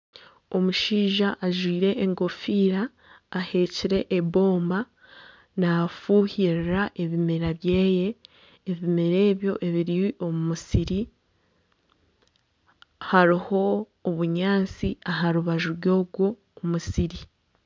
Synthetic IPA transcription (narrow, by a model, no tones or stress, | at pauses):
omuʃiːʒaʔːʒwiːɾe̞ʔːŋɡo̞fiːɾaː | he̞ːciɾe̞ʔeβo̞ːmba | nafuːhiɾɾaʔe̞βimeɾaβjeːje̞ː | βimeɾe̞ːβjo̞ʔe̞βiɾiwiʔo̞mumusiɾi | haɾiho̞ː | βuɲaːnt͡siaɦaɾuβaʒuɾɡo̞ːɡwo̞ː | musiɾi